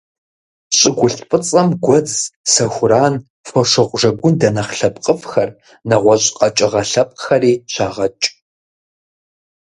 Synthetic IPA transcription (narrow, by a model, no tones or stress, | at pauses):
ɕʼɪɡʷʊɬpʼɨt͡sʼɐmɡʷɔd͡zsɐxʷʊɾaːn | fɔʂɨʁʷʼʐɐɡʷʊndɐnɐχɬɐpʼqʼəfxɐr | nɐʁʷɔɕʼqʼɐt͡ʃʼɪʁɐɬɐp̚ʼxɐriːɕʰaːʁɐt͡ʃʼ